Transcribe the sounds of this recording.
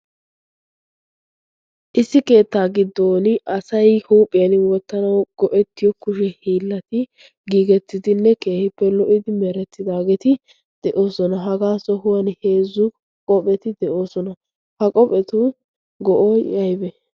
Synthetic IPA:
ʔɪsːɪke̞ːt̪ːaːɡɪd̪ːo̞ːnɪɐsɐjhuːpʼːɪjɐnwɔt̪ːɐnɐwɡ̥ɔʔɛt̪ːɪjɔkʊʃɛhiːlːɐt̪ɪ | ɡiːɡɛt̪ːɪd̪ɪnːɛke̞ːhɪpːɛlɔʔɪd̪ɪmɛɾɛt̪ːɪd̪aːɡet̪ɪ | d̪̥ɛʔo̞ːsɔnɐɦɐɡaːsɔhʊwɐnhe̞ːzːʊ | kʼɔpʼɛt̪ɪd̪ɛʔo̞ːsɔnɐ | hɐkʼɔpʼɛt̪ʊ | ɡɔʔoːjɐjbɛ

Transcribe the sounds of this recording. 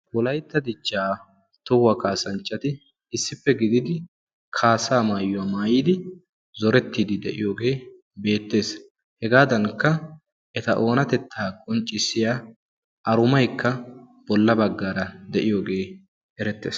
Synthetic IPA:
wɔlɐjt̪ːɐd̪ɪt͡ʃːaː | t̪ʊwɐkaːsɐnt͡ʃːɐt̪ɪ | ɪsːɪfːɛɡɪd̪ɪd̪ɪ | kʰaːsaːmaːjːʊwɐmaːjiːd̪ɪ | zɔɾɛt̪ːiːd̪ɪd̪ɛʔɪ̰jo̞ːɡe̞ː | be̞ːt̪ːe̞ːs | hɛɡaːd̪ɐŋkːɐ | ʔɛt̪ɐʔo̞ːnɐt̪ɛt̪ʰːaːkʼɔnt͡ʃʼɪsːɪja | ʔɐɾʊmɐjkːɐ | b̥ɔlːɐbɐɡːaːɾɐd̪ɛʔɪjo̞ːɡe̞ː | ɛɾɛt̪ːe̞ːs

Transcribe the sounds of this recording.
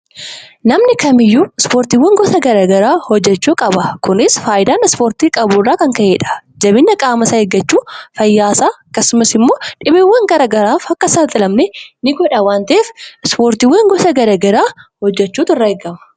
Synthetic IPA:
nɐmnɪkɐmɪjːuːɪspoːɾt̪iwːɐŋɡɔsɐɡɐɾɐːɡɐɾaːhɔd͡ʒːɛt͡ʃːuːkʼɐbɐkʊnɪsfaːʔɪd̪aːnɪspoːɾt̪iːkʼɐbuːrːaːkɐŋkɐʔeːᶑɐ̥d͡ʒɐbɪnːɐkʼaːmɐsɐɛɡːɐt͡ʃːuːfɐjːaːsaːɐkːɐsːʊmɐsɪmːo̞ːᶑɪbeːwːɐŋɡɐɾɐːɡɐɾaːfhɐkːɐsɐlt̪ʼɪlɐmnɛnɪɡɔᶑɐwaːnt̪ɐʔeːfspoːɾt̪ɪwːeːŋɡɔsɐɡɐɾɐɡɐɾaːhɔd͡ʒːɛt͡ʃːuːt̪ʊrːɐɛɡɐmɐ̥

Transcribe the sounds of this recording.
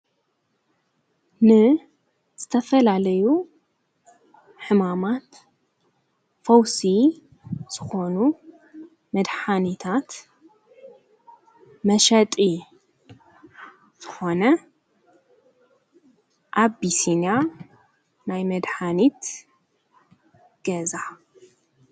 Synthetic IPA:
nɨ | z̥ɨt̪ʰɐfɐlalɐju | ħɨmamat̪ | fɐwsi | z̥ɨxo̞nu | mɐd̪ħanit̪ʰat̪ | mɐʃɐt̪ʼi | z̥ɨxo̞nɐ | ʔabisina | najmɐd̪ħanit̪ | ɡ̥ɐza

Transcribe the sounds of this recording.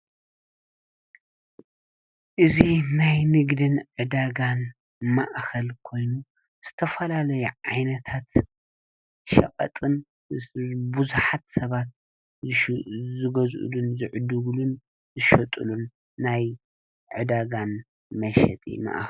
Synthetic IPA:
ʔɨzinajnɨɡd̪ɨnʕɨd̪aɡan | maʔxɐlkʰo̞jnu | z̥ɨt̪ʰɐfɐlalɐjuʕajnɐt̪ʰat̪ | ʃɐ̰kʼɐ̰t̪ʼɨn | bɨzuħat̪sɐβat̪̚ | zɨɡɐzʔṵlunzɨʕɨd̪ɨɡlun | zɨʃɐt̪ʼulunː | aj | ʕɨd̪aɡan | mɐʃɛ̰t̪ʼḭma̰ʔx

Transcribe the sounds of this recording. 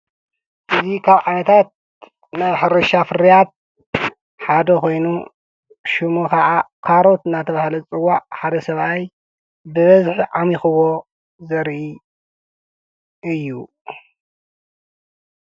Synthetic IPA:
ʔɨzikʰaβʕanɐt̪ʰat̪̚ | naβħɨɾɨʃafɨɾijat̪̚ | ħad̪ɐkʰo̞jnu | ʃumukʰɐʕakʰaɾot̪ɨnːat̪ʰɐβahlɐt͡sʼɨwaʕħad̪ɐsɐβaj | bɨβɐzħʕamixɨwo̞ | zɐɾʔi | ʔɨjːu

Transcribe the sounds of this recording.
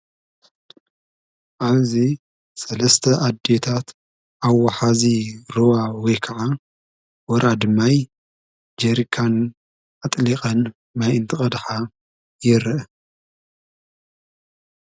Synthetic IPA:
ʔaβzi | sɐlɐst̪ʰɐʔad̪ːet̪ʰat̪ | ʔawːaħaziɾowawɔjkʰɐʕa | wɔɾʔad̪ɨmːaj | d͡ʒeɾikʰan | at̪ʼliqʼɐn | majɨnt̪ʰɨχʼɐd̪ħa | jɪɾɨʔ

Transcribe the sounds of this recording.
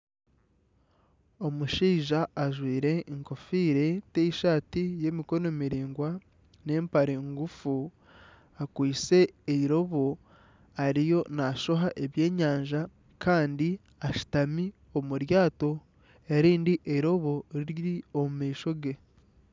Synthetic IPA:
o̞muʃiːʒaːʒwiːɾe̞ŋko̞fiːɾe̞teiʃaːtije̞ːmiko̞no̞miɾiːŋɡwa | ne̞ːmpaɾeːŋɡufu | akwiːt͡se̞ːiɾo̞βo̞ | aɾijo̞naʃo̞ɦaʔeβje̞ːɲaːɲʒa | kʰaːndi | aʃi̥tami | o̞muɾjaːto̞ | eɾiːndiʔeiɾo̞βo̞ɾiɾjiomumiːʃo̞ɡe̞

